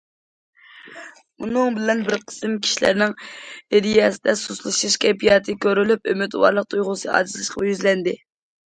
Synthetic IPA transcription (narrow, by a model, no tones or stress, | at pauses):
unɨŋbɪlɛnbɪɾqʰə̥sɨmkʲʰi̥ʃilæ̰ɾnɪŋeɾijɛsɪd̪ɛsuslˠɨʃɨʃkʲʰɛpijɑt̪ʰɨkʲøɾylypømyt̪wɑ̰ɾlˠəq̚t̪ʰujʁʊsɨɑ̰ːd̪ɨt̪ʰlɨʃqʰɑjyzlɛnd̪ɪ